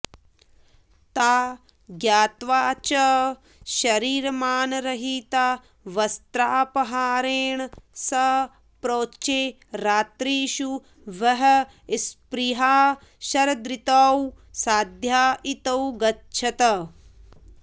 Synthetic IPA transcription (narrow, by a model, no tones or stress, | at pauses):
t̪aː | ɡjaːt̪ʋaːt͡ʃɐ | ʃɐɾiːɾɐmaːnɾɐɦiːt̪aː | ʋɐst̪ɾaːpɐɦaːɾeːɳsɐ | pɾoːt͡ʃeː | ɾaːt̪ɾiːʃu | ʋɐɦɐ | spɾiɦaː | ʃɐɾɐd̪ɾit̪ɐw | saːd̪ʱjaːʔit̪ɐwɡɐtːt͡ʃʰɐt̪ɐ